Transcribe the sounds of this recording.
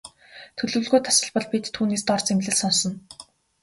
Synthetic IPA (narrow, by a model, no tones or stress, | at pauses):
t̪ʰɵɮɵ̆wɮɣuːjt̪ʰḁsə̆ɮpɞ̆ɮpit̪tʰːuːneːst̪ɔrt͡semɮɘ̆ɮsɔnsɞ̆n